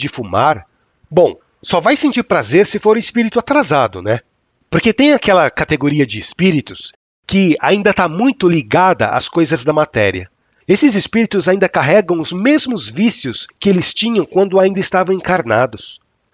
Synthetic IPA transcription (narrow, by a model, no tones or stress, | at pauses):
d͡ʒɪfumaɾ | bõw̃ | sɔvajsẽnt͡ʃiɾpɾazeɾsɪfoɾʊɪspiɾit̪ʊat̪ɾazad̪ʊnɛ | poɾket̪ẽj̃akɛlɐkat̪eɡoɾiɐd͡ʒɪːspiɾit̪ʊs | kɪa̰ĩnd̪ɐt̪amũj̃t̪ʊliɡad̪ɐ̰ʔa̰skojzɐzd̪ɐmat̪ɛ̰ɾiɐ̰ | esɪzɪspiɾit̪ʊzaĩnd̪ɐkaɦɛɡɐ̃w̃ʊzmezmʊzvisijʊskɪelɪst͡ʃĩɲɐ̃w̃kwɐ̃nd̪ʊaĩnd̪ɐɪst̪avɐ̃w̃ẽŋkaɾnad̪ʊs